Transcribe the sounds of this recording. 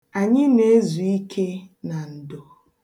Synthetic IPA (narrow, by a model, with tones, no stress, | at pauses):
a˨ɲɪ˦ne˦e˦zu˨i˦kʰe˦na˨n̩˨do˨